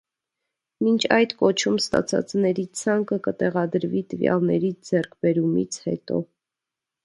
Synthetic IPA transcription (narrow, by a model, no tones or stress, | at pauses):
mint͡ʃʰɑjd̪kɔt͡ʃʰumst̪ɑ̰t͡sʰɑ̰t͡snɛɾit͡sʰɑŋkəkət̪ɛʁɑd̪əɾvit̪əvjɑ̰lnɛɾid͡zɛɾkʰbɛɾumḭt͡sʰhɛt̪ɔ̰